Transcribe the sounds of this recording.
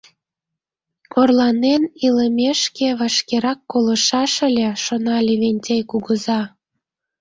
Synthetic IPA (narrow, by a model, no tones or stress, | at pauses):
korlɑneniləmʲeʃkeβɑʃkeɾɑkːolə̆ʃɑʃə̆lʲĕʃonɑlʲeβenʲtʲejkuɣəzɑ